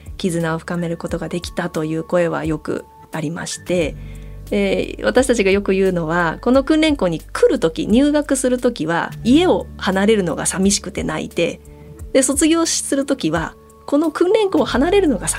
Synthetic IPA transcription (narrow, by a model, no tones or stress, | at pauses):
kʲizɨnao̞ɸɯ̟̥kame̞ɾɯ̟ko̞t̪o̞ɡad̪e̞kʲi̥t̪at̪o̞jɯ̟ːko̞e̞βa̰jo̞kɯ̟̰ | aɾʲima̰ɕi̥t̪e̞d̪eβat̪aɕi̥t̪at͡ɕiɡajo̞kɯ̟jɯ̟ːno̞βako̞no̞kɯ̃nɾẽ̞ŋko̞ːɲ̟ikʰɯ̟ɾɯ̟t̪o̞kʲḭɲ̟ɨːɡakɯ̟sɨɾɯ̟t̪o̞kʲiβa̰ie̞o̞hanaɾe̞ɾɯ̟no̞̰ɡa̰samʲiɕi̥kɯ̟̥t̪e̞na̰ḭd̪e̞̰ | d̪̥e̞so̞t͡sɨɡʲo̞ːɕi̥sɨɾɯ̟t̪o̞kʲiβa | ko̞no̞kɯ̟̃nɾẽ̞ŋko̞ːhanaɾe̞ɾɯ̟no̞ɡas